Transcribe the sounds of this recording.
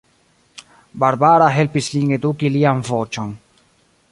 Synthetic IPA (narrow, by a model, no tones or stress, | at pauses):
baɾbaːɾaɦelpisliŋɡed̪uːkiliamvoːt͡ʃon